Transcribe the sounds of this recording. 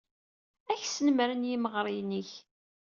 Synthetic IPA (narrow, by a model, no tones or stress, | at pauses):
æçsənmɾənjiməʁɾˤɪjniç